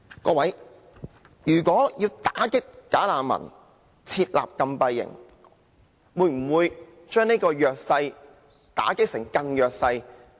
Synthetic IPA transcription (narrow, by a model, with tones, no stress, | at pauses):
kɔː˧wɐ˨˥j | jyː˨˩kʷɔː˨˥jiː˧wt̪aː˨˥kɪ˥kːaː˨˥laː˨˩mɐ̰˨˩n | t͡sʰiː˧t̚la̰ː˨p̚kɐ˧mpɐ˧jːɪ̰˨˩ŋ | wuː˨˧jm̩˨˩wuː˨˧j | t͡ʃœː˥ŋne˥kɔː˧jœː˨˧k̚sɐ˧j | t̪a̰ː˨˥kɪ˥k̚sɪ˨˩ŋkɐ˧njœː˨k̚sɐ˧j